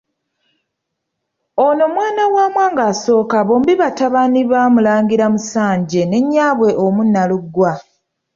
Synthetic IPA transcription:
ono̞mwaːnawaːmwaːŋɡaːso̞ːkaβo̞ːmbiβataβaniβamulaːŋɡiɾamusaːɲɟe̞ne̞ɲːaːβwe̞ʔomunːaluɡwa

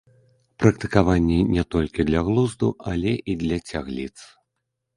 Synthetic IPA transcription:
pɾɐkt̪ɨkavanʲːɛnʲɛt̪ɔlʲkʲid̪lʲɐɣlˠuzd̪ualʲɛʔid̪lʲɐt͡sʲaɣlʲit̪s

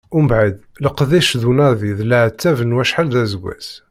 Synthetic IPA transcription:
umbʕad̪ | ləqðiʃðunɑɾˤðiðləʕt̪ʰːævənwæʃħalðæzəɡʷæ̰z̥

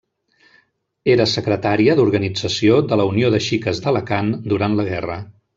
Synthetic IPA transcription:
eɾəsəkɾət̪aɾiəðuɾɣənid͡zəsioðələunioðəʃikəzðələkand̪uɾant̪ləɣɛrə

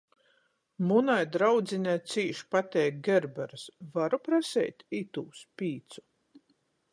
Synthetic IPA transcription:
munajd̪ɾawd̪zinʲajt̪siːʃpat̪ɛjk̚ɡʲeɾbɛɾɨsvaɾupɾasɛ̰jt̪it̪uːspʲiːt̪su̥

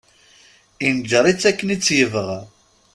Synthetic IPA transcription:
ind͡ʒəɾˤit͡sːækːənit͡sːjəvəʁ

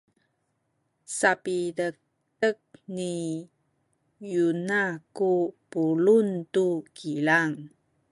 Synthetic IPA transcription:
sapidək̚ | tək̚ni | junakupuluntukʰilaŋ

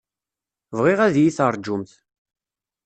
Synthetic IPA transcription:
vʁɪʁæðjiθəɾˤd͡ʒʊmθ

